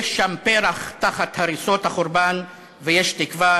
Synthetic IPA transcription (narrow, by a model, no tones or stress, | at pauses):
eʃːampeɾaχt̪aχat̪haɾisothaχoɾban | vejeʃtikva